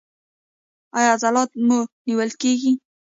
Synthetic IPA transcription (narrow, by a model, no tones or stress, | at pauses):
ɑjɑzɑlɑt̪̚muniwəlkeɡi